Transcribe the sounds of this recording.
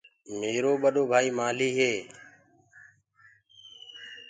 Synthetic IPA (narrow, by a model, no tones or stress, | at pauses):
meːɾoːɓəɗoːbʱaːiːmaːliːɦeː